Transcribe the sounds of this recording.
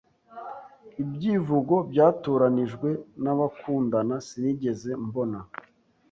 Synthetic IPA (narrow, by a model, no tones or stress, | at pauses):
ibɟivuɡo̞bɟaːtoːɾaniʒɡwe̞naβakuːndanasiniːɟe̞ze̞mbo̞na